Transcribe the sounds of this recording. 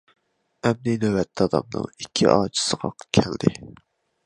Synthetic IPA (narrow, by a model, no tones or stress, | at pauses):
ɛmninøwɛt̪ʰːɑːd̪ɑ̰mnɨ̰ŋikʲʰːḭʔɑːt͡ʃʰi̥səʁɑkʲʰɛld̪ɪ